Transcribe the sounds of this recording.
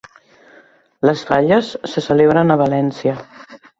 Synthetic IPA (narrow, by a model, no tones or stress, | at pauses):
ləsfaʎəsːəsəleβ̞ɾənəβəlɛnsiə